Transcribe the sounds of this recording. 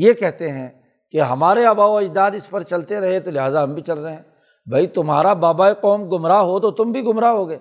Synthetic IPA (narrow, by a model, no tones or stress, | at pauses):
jekɛɦt̪eɦɛ̃ | keɦɐmaːɾeɐbaːoɐd͡ʒd̪aːd̪ɪspɐɾt͡ʃɐlt̪eɾɐɦet̪olɪɦaːzaɦɐmbʱit͡ʃɐlɾɐɦeɦɛ̃ | bʱait̪ʊmɦa̰ːɾabaːbaːiqɔːmɡʊmɾaɦot̪ot̪ʊmbʱiɡʊmɾaɦoɡɐeː